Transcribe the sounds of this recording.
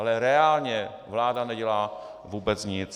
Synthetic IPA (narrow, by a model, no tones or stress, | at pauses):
alɛɾɛaːlɲɛ | vlaːdanɛɟɛlaː | vuːbɛt͡sɲɪt͡s